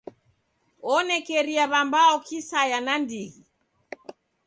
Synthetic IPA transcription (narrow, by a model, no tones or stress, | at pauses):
ɔnɛkɛɾiaβambaɔkisajanandiɣi